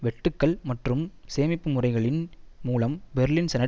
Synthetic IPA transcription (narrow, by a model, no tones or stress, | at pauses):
ʋɛʈːɯkːɐɭmɐʈrɯmseːmɪpːɯmʊrɐɪɣɐɭɪnmuːlɐmbɛɾlɪnsɛnɐ